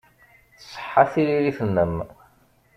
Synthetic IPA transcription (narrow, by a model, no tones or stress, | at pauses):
θəsˤːə̥ħːaθiliɾifənːəm